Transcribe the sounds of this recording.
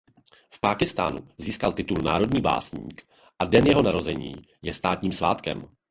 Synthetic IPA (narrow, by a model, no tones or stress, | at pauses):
fpaːkɪst̪a̰ːnṵziːskalt̪ɪt̪ulna̰ːɾo̞dɲiːba̰ːsɲḭːk | ʔadɛnjɛɦo̞naɾo̞zɛɲḭː | jɛst̪aːt̪ɲiːmsva̰ːt̪kɛ̰m